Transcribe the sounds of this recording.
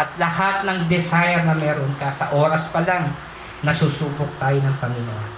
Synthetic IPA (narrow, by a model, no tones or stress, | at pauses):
ʔɐt̪lɐhat̪̚nɐŋd̪ɛsajɛɾnɐmɛːɾonkɐsɐʔoːɾɐspɐlaŋ | nɐsusuːbok̚t̪aːjonɐŋpɐŋɪnuʔan